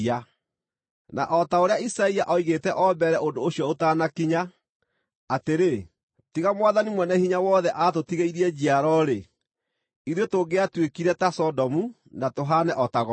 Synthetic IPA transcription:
a | na̰ʔɔtaoɾeaisaiaʔɔiɣetɛʔɔbɛɾɛʔondooɕiɔotaːnakiɲaː | teɾe | tiɣamwaðanimwɛnɛhiɲawɔðɛʔatotiɣeiɾiɛd͡ʑiaɾɔɾe | iɾotoɡeatwekiɾɛtasɔdɔmu | natoɦanɛʔɔtaɣɔ

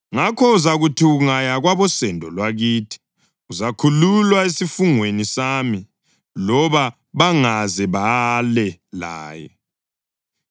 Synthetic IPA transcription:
ŋakʰɔuzaɣutʰiuŋajaɣwaβɔsɛndʱɔlwaɣiːtʰi̥ | uzakʰululwaesifuŋwenisami | lɔβa | βaŋazɛβalɛla̰ːjɛ̰

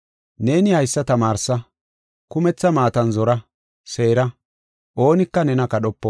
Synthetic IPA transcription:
ne̞ːnɪhɐjsːɐt̪ɐmaːɾsɐ | kʊmɛt͡sːɐmaːt̪ɐnzɔɾɐ | se̞ːɾɐ | ʔo̞ːnɪkːɐnɛnɐkɐɗɔpːɔ

